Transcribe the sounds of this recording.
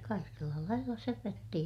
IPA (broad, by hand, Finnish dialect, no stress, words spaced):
kɑikelːɑ lɑilːɑ søpøtːi